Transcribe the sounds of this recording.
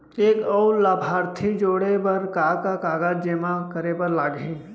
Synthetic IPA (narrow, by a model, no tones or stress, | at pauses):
eːkɔʊlaːbʱaːɾt̪ʰid͡ʒoːɽebəɾkaːkakaːɡad͡ʒd͡ʒemakəɾepəɾlaːɡĩ